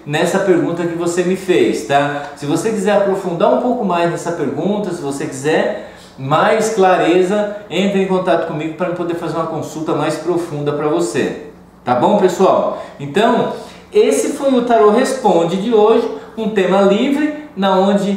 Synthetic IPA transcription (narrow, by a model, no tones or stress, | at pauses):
nɛsɐpeɾɡũt̪ɐkɪvosemɪfejst̪asɪvosekizɛɾapɾofũnd̪aɾũpowkʊmajznɛsɐpeɾɡũt̪ɐsɪvosekizɛɾ | majsklaɾezɐẽnt̪ɾɪẽkõnt̪at̪ʊ̥kõmiɡʊpɾɐmɪ̃pod̪eɾfazeɾũmɐkõsut̪ɐmajspɾofũnd̪ɐpɾɐvosḛ | t̪abõw̃pesuawẽnt̪ɐ̃w̃ | esɪfojʊt̪aɾoɦespõd͡ʒɪd͡ʒɪoʒɪũt̪ẽmɐlivɾɪnɐõd͡ʒɪ